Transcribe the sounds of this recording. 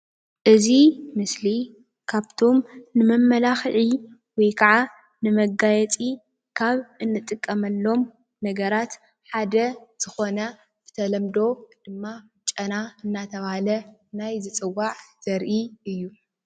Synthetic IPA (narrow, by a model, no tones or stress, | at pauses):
ʔɨzimɨsli | kʰaβt̪ʰo̞mnɨmɐmːɐlaxʕi | wɔjkʰaʕa | nɨmɐɡajɛt͡sʼi | kʰaβɨnːɨt̪ʼɨkʼːɐmɐlːo̞m | nɐɡɐɾat̪ | ħad̪ɐz̥ɨxo̞nɐ | z̥ɨt̪ʰɐlɐmd̪o̞d̪̥ɨmːa | t͡ʃʼɐnaɨnːat̪ʰɐβahalɐnajzɨt͡sʼɨwːaʕz̥ɐɾʔiɨjːu